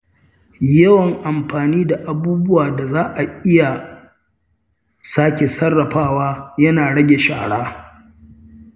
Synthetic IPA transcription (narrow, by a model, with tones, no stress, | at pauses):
jɐ˦wɐ˨ŋʔa˨mɸaː˨niː˦da˨ʔa˨buː˦bʊ˦waː˨da˨zaː˦ʔa˨ʔɪ˦ja˨ | saː˦kʲe˨sɐ˦rːɐ˨ɸaː˦˨waː˦jɐ˦naː˨ɽɐ˦ɡʲe˨ʃa̰ː˨ɽaː˦